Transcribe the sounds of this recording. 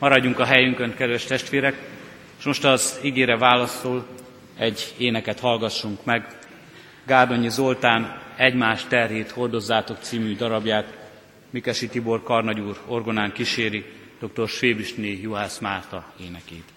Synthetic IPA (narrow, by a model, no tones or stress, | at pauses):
mɒɾɒɟːuŋkɒɦɛjyŋkønkɛd̪ʋɛʃt̪ɛʃt̪ʋeːɾɛk | ʃmo̞ʃt̪ɒziɡeːɾɛvaːlɒsol | ɛɟːeːnɛkɛt̪hɒlɡɒʃːuŋkmɛɡ | ɡaːrd̪o̞ɲizo̞lt̪aːnɛɟmaːʃt̪ɛrjeːt̪ho̞rd̪o̞zːaːt̪o̞k̚t̪siːmyd̪ɒɾɒbjaːt̪ | mikɛʃit̪ibo̞rkɒrnɒɟuːro̞rɡo̞naːŋkiʃeːɾi | d̪̥o̞k̚t̪o̞rʃʋeːbiʃnejuɦaːsmaːrt̪ɒeːnɛkeːt̪